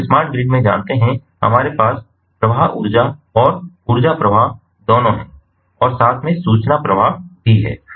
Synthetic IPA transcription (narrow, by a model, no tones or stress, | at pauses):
smaːɾʈ̚ɡɾɪɡmẽd͡ʒa̰ːnt̪eɦɛ̃ | hɐ̰maːɾepaːs | pɾɐʋaɦʊ̰ɾd͡ʒaɔːɾ | ʊɾd͡ʒapɾɐʋaɦ | d̪oːnõɦɛ̃ː | ɔːɾsaːt̪ʰmẽsuːt͡ʃnapɾɐʋaɦbʱiɦɛ̰ː